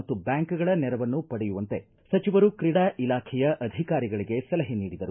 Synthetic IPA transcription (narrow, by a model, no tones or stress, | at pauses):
ɐt̪ːubjaːŋkɡɐɭɐnɛɾɐʋɐnːupɐɽɛjuʋɐnt̪e̞ | sɐt͡ʃiʋɐɾukɾiɽaːʔilaːkʰɛjɐʔɐd̪ʱikaːɾiɡɐɭiɡe̞sɐlɐɦeniːɽid̪ɐɾu